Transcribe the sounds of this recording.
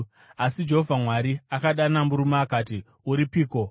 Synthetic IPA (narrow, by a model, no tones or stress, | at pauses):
asid͡ʒe̞ɦovʱamwaɾiakaɗanamuɾumaːkaːti | uɾipiːko̞